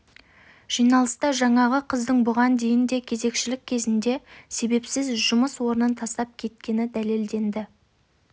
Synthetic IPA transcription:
ʒ̥ijnɑlˠəst̪ɑʒɑɴɑʁəqʰəzd̪əɴbʊʁɑnd̪e̞jɪnd̪e̞kʲʰe̞ze̞kʃɪlɪk̚ʲʰːe̞zɪnd̪e̞se̞be̞psɪzʒʊməswo̞ɾənənt̪ʰɑst̪ɑp̚kʲʰe̞t̪̚kʲe̞nɪd̪æle̞ld̪e̞nd̪ɪ

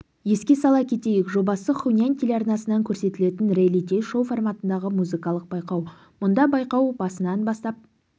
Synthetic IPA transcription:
je̞skʲe̞sɑlˠɑkʲʰe̞t̪e̞jɪkʒo̞bɑsəχunʲiant̪ʰʲelʲɑrnɑsənɑŋkʲʰɵɾse̞t̪ɪle̞t̪ɪnrʲelʲit̪ʰʲejʃo̞formɑt̪ənd̪ɑʁəmuzɨkɑlˠəq̚bɑjqɑw | mʊnd̪ɑbɑjqɑwbɑsənɑnbɑst̪ɑp̚

